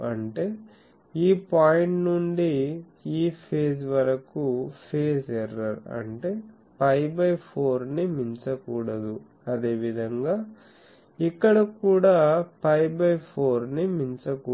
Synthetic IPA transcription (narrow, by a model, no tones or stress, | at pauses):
ɐɳʈe̞ː | iːpaːjiɳʈnuɳɖi | iːpʰeːsʋɐɾɐkupʰe̞ːsɛrːɐɾɐ̰ɳʈe̞ː | pɐjbɐjpʰo̞ːɾnimiɲt͡ʃɐkuːɽɐd̪u | ɐd̪e̞ːʋid̪ʱɐŋɡaː | ikːɐɽɐkuːɽaːpɐjbɐjpʰo̞ːɾnimiɲt͡ʃɐku